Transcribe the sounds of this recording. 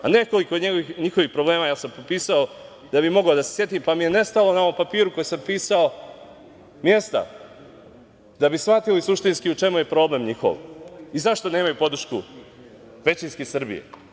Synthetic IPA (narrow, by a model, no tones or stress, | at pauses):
a̰neko̞likoɲeɡoʋixɲixo̞ʋixpɾoble̞ːmajaːsampopiːsao | d̪̥abimo̞ɡaod̪asesje̞t̪impamije̞ne̞st̪alo̞nao̞ʋo̞mpapiːɾuko̞jesampiːsao | mjest̪a̰ | d̪abisʋat̪ilisuʃt̪inskiut͡ʂe̞muje̞pɾo̞ːble̞mɲixo̰ʋizaʃt̪o̞ne̞ːmajupo̞d̪ɾ̩ʃku | ʋe̞t͡ɕinskesr̩bḭjḛ